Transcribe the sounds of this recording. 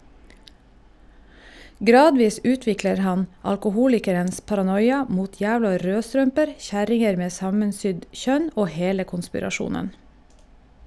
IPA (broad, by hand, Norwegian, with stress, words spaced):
ˈɡɾɑːdʋiːs ˈʉːtʋɪkləɾ ˈhɑn ɑlkʊˈhuːlɪkəɾəns pɑɾɑˈnɔjɑ ˈmuːt ˈjæːʋlɑ ˈɾøːˌstɾœmpəɾ ˈçæɾɪŋəɾ ˈmeː ˈsɑmənˌsʏɟ ˈçœn ˈoː ˈheːlə kʊnspɪɾɑˈʃuːnən